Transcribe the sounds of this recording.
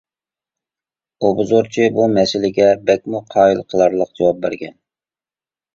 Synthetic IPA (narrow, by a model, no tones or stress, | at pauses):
obʊzoɾt͡ʃʰibumɛsɪlɪɡʲɛbɛk̚ʲmuqʰɑːilˠqʰəlˠɑɾlˠəq̚d͡ʒewɑp̚bæɾɡʲɛn